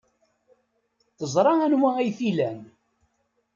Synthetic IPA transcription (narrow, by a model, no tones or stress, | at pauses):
θəzˤɾˤɑænwææjθilæn